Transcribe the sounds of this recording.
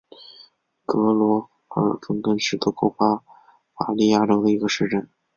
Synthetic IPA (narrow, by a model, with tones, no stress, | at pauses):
kɤ˧˥lwɔ˧˥ | ə̰˞˧˥fə˥ŋkə˥nʂɻ̩˧˥˩t̪u˥˩kʰo˥˩ʊpa˥ | fa̰˨˩li˥˧ja˥˩ʈ͡ʂo˥ʊd̪ə˨˩i˧˥ɡə˧ʂɻ̩˥˧ʈ͡ʂə˥˩n